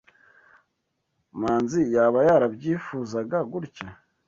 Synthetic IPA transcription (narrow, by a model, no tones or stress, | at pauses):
maːnzijaβajaɾabɟiːfuːzaɡaɡuɾca